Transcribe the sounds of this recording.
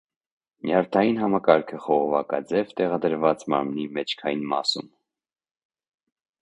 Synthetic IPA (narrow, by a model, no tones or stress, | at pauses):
mjɑɾt̪ʰɑjinɦɑmɑkɑɾkʰəχɔʁɔvɑkɑ̰d͡zɛvt̪ɛʁɑd̪əɾvɑt͡smɑ̰ɾmnimɛt͡ʃʰkʰɑjinmɑ̰sum